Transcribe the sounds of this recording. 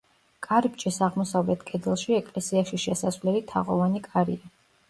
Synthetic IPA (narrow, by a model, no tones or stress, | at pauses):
kʼaɾibt͡ʃʼisaʁmɔsavlɛt̪ʰkʼɛd̪ɛlˠʃiɛkʼlɛsiaʃiʃɛsasvlɛlit̪ʰa̰ʁɔvanikʼaɾḭa